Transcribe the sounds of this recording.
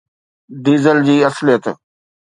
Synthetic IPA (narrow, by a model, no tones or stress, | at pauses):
d̪iːzəld͡ʑiːɐslijət̪